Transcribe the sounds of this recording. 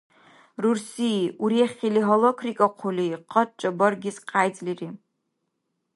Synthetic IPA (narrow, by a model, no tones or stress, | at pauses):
rursiuɾiaχʲiliɦolokʰrikʼaqʷʰuliqʰʼət̚ʼt͡ʃʼabɐrɡʲɪsqʰajd͡zʼliri